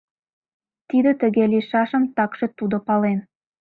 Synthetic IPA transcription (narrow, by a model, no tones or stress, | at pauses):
t̪id̪ɪt̪ɪ̆ɡʲelʲiʃɑʃəmt̪ɑkʃət̪ud̪əpɑlˠen